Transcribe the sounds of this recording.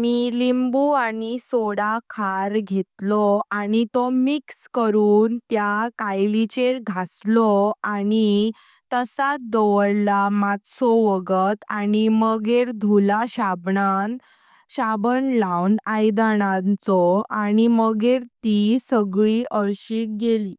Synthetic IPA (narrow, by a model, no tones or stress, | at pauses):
miːlimbuanisoɽakʰaɾɡʱet̪lɔanit̪ɔmikskəɾuːnt̪jakajlit͡ɕeɾɡʱaslɔani | t̪əsat̪̚d̪ɔʋəɽlamat̪sɔʋəɡət̪animəɡeɾd̪ʱulaɕabɳa | ɕabənlawnajd̪aɽ̃ãnt͡sɔaniməɡeɾt̪isəɡɭiʔəɾɕiːk̚ɡeliː